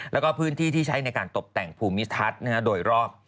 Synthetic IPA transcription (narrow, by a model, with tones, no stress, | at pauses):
lɛː˦˥wkɔː˥˩pʰɯː˦˥nt̪ʰiː˥˩t̪ʰiː˥˩t͡ɕʰa˦˥jna˧jkaː˧nt̪o˨˩p̚t̪ɛ˨˩ŋpʰuː˧mi˦˥t̪ʰa˦˥t̪̚na˥˩na˦˥˩doː˧jɾɔː˥˩p̚